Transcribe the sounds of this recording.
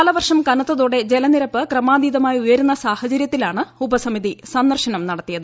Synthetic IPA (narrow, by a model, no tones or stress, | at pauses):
ɐlɐʋɐrʂɐmkɐnɐt̪ːɐðoːɽe̞d͡ʑelɐniɾɐpːɨkrɐmaːd̪iːd̪ɐmaːjujɐɾunːɐsaːhɐt͡ɕɐɾjɐt̪ːilaːɳɨubɐsɐmiðisɐnːɐrʂɐnɐmnɐɽɐt̪ːijɐðɨ